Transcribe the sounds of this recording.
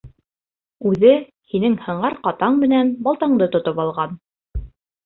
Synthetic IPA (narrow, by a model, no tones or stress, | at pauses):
ʉðɘ | hinɘŋhɤ̆ɴɑɾqɑt̪ɑɴmɘ̆nænbɑlˠt̪ɑɴd̪ɤt̪ŏt̪opɑlˠʁɑn